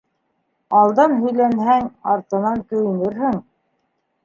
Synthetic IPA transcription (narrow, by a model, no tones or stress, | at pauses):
ɑlˠd̪ɑnɦɵ̆jlænɦæŋɑɾt̪ɤ̆nɑnk̪ɵ̆jɘ̆nɘɾhɘŋ